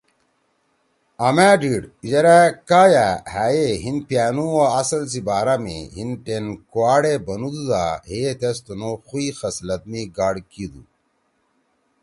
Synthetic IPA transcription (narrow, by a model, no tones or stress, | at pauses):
ɐmæːɖiɽʑɐɾakaːjahæːjeɦinpjaːnuaɐsɐls̬ibaːɾamḛɦinʈenkuaːɽebɐnud̪ud̪a̰ɦet̪est̪onoxuixɐslɐt̪̚miɡaːɽkid̪u